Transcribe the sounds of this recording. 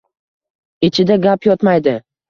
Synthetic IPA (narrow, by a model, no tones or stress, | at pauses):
ɪt͡ʃʰɪd̪aɡʲapjɒt̪majd̪ɪ